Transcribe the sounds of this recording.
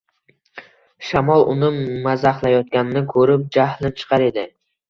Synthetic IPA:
ʃamɒlˠʔʊ̰nɪmazaχlˠajɒt̪̚kʲanɪnɪkʰɵɾɪp̚d͡ʒahlɪnt͡ʃʰɨ̥qʰɑɾe̞d̪ɪ

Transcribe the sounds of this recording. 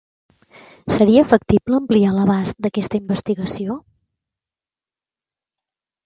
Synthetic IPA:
səɾiəfək̚t̪ipləːmplialəβ̞ast̪̚d̪əkɛst̪əimbəst̪iɣəsio

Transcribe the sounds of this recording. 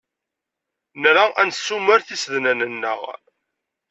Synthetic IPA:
nɾaʔænsːuməɾθisðnænənːə̰ʁ

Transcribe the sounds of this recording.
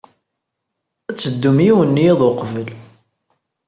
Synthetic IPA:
æt͡sːəd̪ːumijiwənːiiðˤoqvəl

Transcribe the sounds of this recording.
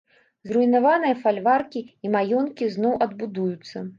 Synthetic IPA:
zruinavanɨjɐfalʲvarkʲiimajɔnkʲiznɔwʔɐd̪̚bud̪ujut̪sːɐ

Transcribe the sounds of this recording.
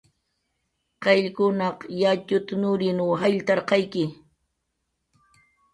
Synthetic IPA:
qɑʎkʊnɑqjat͡ʃʊt̪nʊɾɪnuːɦaʎt̪ɑɾqɑjkɪ

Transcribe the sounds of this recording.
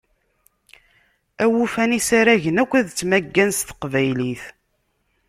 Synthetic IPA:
æwufænisaɾæʝənækʷːæðt͡sːmæɡːænst̪ə̥qvæjliθ

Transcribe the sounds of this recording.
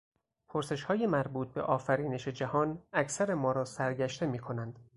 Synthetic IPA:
pʰoɾse̞ʃhɒːje̞mæɾbuːt̪̚be̞̰ʔɒːfæɾiːne̞ʃe̞d͡ʒæhɒːnæcʰsæɾe̞mɒːɾɒːsæɾɟæʃt̪e̞miːkʰo̞nænd̪̥

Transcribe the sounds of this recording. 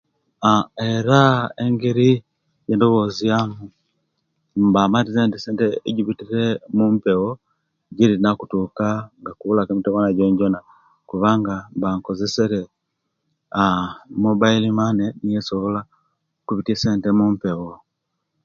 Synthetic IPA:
aeɾaeŋɡeɾi | jeːndo̞βozijamu | mbamatizentiseːnteeɟiβitiɾemumpewo | ɟiɾinakutukaŋɡakuβulakemiteβanaɟoɲɟona | kuβaːŋɡambaːŋko̞zeseɾe | amobailimanenijesoβola | kuβitieseːntemumpewo

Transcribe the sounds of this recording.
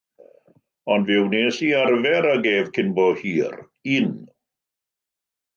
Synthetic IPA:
ɔndvɪwneːsiarvɛɾaɡeːvkʰɪnbɔhiːr | iːn

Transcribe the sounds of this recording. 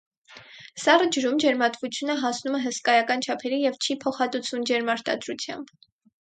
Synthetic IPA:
sɑrəd͡ʒəɾumd͡ʒɛɾmɑt̪vut͡sʰjunəɦɑsnumɛɦəskɑjɑkɑnt͡ʃʰɑpʰɛɾijɛvt͡ʃʰipʰɔχɑt̪ut͡sʰvumd͡ʒɛɾmɑɾt̪ɑ̰d̪ɾut͡sʰjɑ̰mb

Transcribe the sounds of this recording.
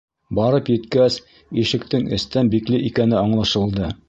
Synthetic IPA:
bɒɾɤpjɘ̆t̪kæs | iʃɘ̆k̚t̪ɘŋʔɘ̰̆st̪ænbiklɘʔikænɘɑɴlˠɑʃɤ̆lˠd̪ɤ

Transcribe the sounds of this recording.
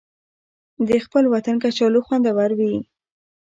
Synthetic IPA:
d̪əxpəlwat̪ankat͡ʃɑloxwand̪awaɾwi

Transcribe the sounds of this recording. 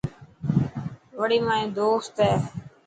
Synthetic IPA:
ʋəɽiːmãːĩːd̪oːst̪ɦɛː

